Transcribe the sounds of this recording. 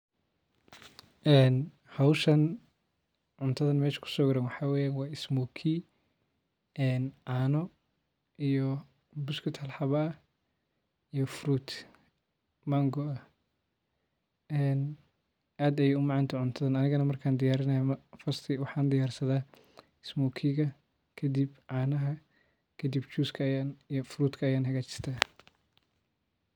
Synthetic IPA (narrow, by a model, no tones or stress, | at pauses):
ʔɛːn | hɐwʃɐn | ʕʊnt̪ʰɐðɐnmɛːʃkʰʊ̥sɔɣɾɐnwɑħɑːwɛːjaːnwɑːɪsmɔkʰi | ɛːnʕɑːnɔ | ijɔ | bʊskʰɪt̪hɐlħɑβɐː | ijɔfɾuːt̪ʰ | mɐŋɡɔɐ | ɛːn | ʔaːd̪ɐjɛʊmɑʕɑnt̪ʰɐʕʊnt̪ʰɐðaːnɐnɪɣɐnɐmɐrkʰaːnd̪ɪjaːɾɪnɐjamfɐst̪ʰɪwɑħɑːnd̪ɪjaːrsɐðaː | ɪsmɔːkʰiɣɐ | kʰɐd̪ibʕɑːnɐɦɐ | kʰɐd̪ibt͡ʃuːskʰɐjaːnijɔfɾuːt̪kʰɐːjaːnɦɐɣaːt͡ʃɪ̥r̥t̪ʰaː